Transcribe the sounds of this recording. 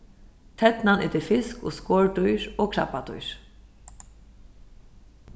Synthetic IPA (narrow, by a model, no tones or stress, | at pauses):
t̪ʰɛt̪nanɛ̰t̪ɪɾfɪsko̰skoːɹt̪ʊjɹoːkʰɹa̰pːat̪ʊ̰jɹ̥